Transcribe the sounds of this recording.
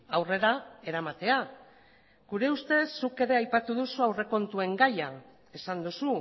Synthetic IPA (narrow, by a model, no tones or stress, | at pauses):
awre̞ɾae̞ɾamat̪e̞a | ɡuɾe̞ust̪e̞sːuke̞ɾe̞ajpat̪uðusuawre̞ko̞nt̪ue̞ŋɡaja | e̞sand̪usu